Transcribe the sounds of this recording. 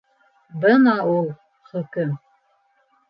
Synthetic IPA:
bɤnɑulˠ | χɵ̆kɘm

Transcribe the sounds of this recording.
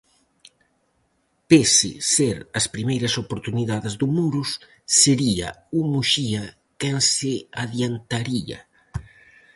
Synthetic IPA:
pesɪ̰seɾɐspɾimejɾɐsopoɾt̪uniðaðɪzðʊmuɾus | seɾiɐ̰umuʃiɐ | kɛnsɪaðjant̪aɾiɐ̰

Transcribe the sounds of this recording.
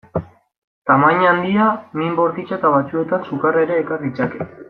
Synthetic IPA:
t̪amaɲand̪iamimbo̞ɾt̪it͡ʃat̪aβat͡sue̞t̪ansukaraɾe̞ːkarit͡sake̞

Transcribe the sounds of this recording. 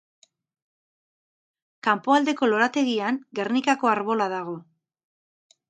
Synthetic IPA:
kampo̞ald̪e̞ko̞lo̞ɾat̪e̞ɣiaŋɡernikako̞aɾβo̞laðaɣ̞o̞

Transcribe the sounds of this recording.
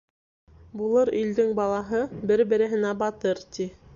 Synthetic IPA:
bulˠɤɾild̪ɘŋbɑlˠɑɦɤbɘɾbɘ̆ɾɘ̆ɦɘ̆næbɑt̪ɤɾt̪i

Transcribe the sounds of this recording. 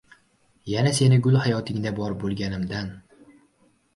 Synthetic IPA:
janase̞nɪɡʊlˠhajɒt̪ʰɪŋd̪abɒɾbolˠɡʲanɪmd̪an

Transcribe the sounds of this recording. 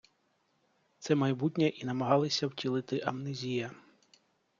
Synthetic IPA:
t̪sɛmɐjbutʲnʲɛʔinɐmɐɦɑlˠɪsʲɐwtʲilˠɪt̪ɪʔɐmnɪzʲijɐ

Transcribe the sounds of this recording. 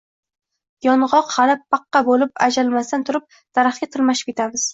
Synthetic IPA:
jɒnʁɒqhalɪpʰːɑqːɑbolɪpad͡ʒalmast̪ant̪ʰʊɾɪp̚ | d̪̥aɾaχɡʲat̪ʰɪlmaʃɪ̥p̚ʲet̪ʰamɪz̥

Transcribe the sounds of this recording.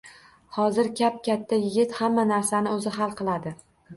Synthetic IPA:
hɒzɪɾkʲʰap̚kʲʰat̪ʰːajɪɡʲɪt̪hamːanaɾsanɪɵzɪɦalˠqʰɨlˠad̪ɪ

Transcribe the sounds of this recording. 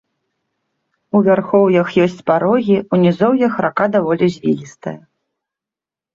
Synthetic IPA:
uvʲarxɔwjɐxjɔsʲt͡sʲpaɾɔɣʲiunʲizɔwjɐxɾakad̪avɔlʲizʲvʲilʲist̪ɐ̰jɐ

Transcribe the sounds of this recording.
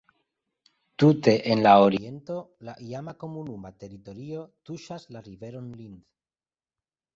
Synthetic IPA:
tute̞ʔenlaoɾie̞nto̞ | laʔiamako̞munumate̞ɾito̞ɾio̞tuʃaslaɾive̞ɾo̞nlind̪

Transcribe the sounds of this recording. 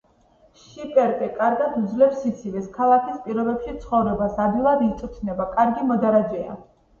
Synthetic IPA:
ʃipʼɛɾt̪ʼɛkʼaɾɡad̪ud̪zlɛfsit̪sʰivɛskʰalˠakʰispʼiɾɔbɛpʃit̪sʰχɔvɾɛbasabilˠaɾiːt̪sʼut̪ʰnɛbakʼaɾɡimɔd̪aɾad͡ʒɛa̰

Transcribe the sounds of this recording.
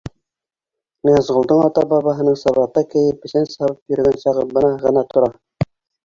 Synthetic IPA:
nɤ̆jɑzʁŏlˠd̪ɤɴɑt̪ɑbɑβɑɦɤ̆nɤɴsɑβɑt̪ːɑkɘ̆jɘp̚bɘ̆sænsɑβɤpjɵ̆ɾɡænsɑʁɤpbɤnɑʁɤ̆nɑt̪ŏɾɑ

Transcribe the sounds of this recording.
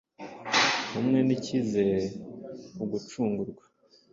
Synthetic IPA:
humŋe̞nicizeɾ | uɡut͡ʃuːŋɡuɾɡwḁ

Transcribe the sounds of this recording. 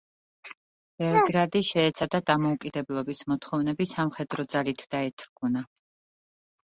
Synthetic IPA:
b̥ɛvɾɡɾad̪iʃɛːt̪sʰad̪ad̪amɔukʼid̪ɛblˠɔbismɔt̪ʰχɔvnɛbisamχɛd̪ɾɔd̪zalit̪ʰd̪̥aɛt̪ʰɾɡuna

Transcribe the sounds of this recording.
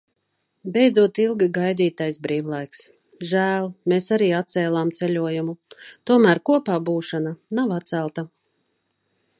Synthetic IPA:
bejd̪zuɔt̪ilˠɡiɡajd̪iːt̪ajsbɾiːvlˠajks | ʒæːlˠmesaɾiːat̪t̪sɛːlˠaːmt̪sɛlʲuɔjumut̪uɔmæːɾkuɔpaːbuːʃananavat̪sælˠt̪a

